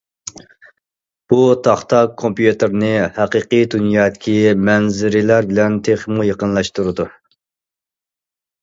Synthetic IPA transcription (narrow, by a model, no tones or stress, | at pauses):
b̥ut̪ʰɑχt̪ʰɑkʰːompjut̪ɪɾnɨhæqəqid̪unjɑːd̪ɪkʲʰimɛnzɪɾɪlæɾbɪlɛnt̪ʰeχmujeqənlˠɑʃt̪uɾɨd̪u